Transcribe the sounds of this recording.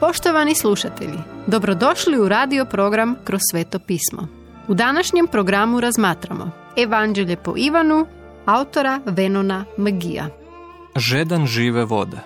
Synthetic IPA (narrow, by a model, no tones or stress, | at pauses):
po̞ʃt̪o̞ʋanislˠuʃat̪e̞̰ʎid̪o̞bɾo̞d̪o̞ʃliuɾaːd̪io̞pɾo̞ɡɾamkɾossːʋeːt̪o̞piːsmo̰ | ud̪anaʃɲe̞mpɾoɡɾamuɾazmaːt̪ɾamo̞̰ | eʋand͡ʒeʎepo̞̰ʔiʋanu | aut̪o̞ɾaʋe̞no̞namɡija̰ | ʒed̪anʒiːʋeʋo̰d̪e